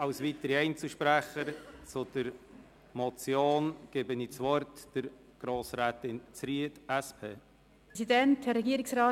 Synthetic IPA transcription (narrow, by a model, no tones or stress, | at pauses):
ɑwsvitəɾiɛɪnt͡suʃpɾæχəɾt͡sʊd̥əɾ | mɔt͡sjoːnɡ̥ɪbəniːt͡svɔrtd̥əɾ | ɡ̥ɾoːsɾɛːtɪnt͡sɾiədæspʰeː | sidɛnthɛɾɛɡiːɾɪksɾɑː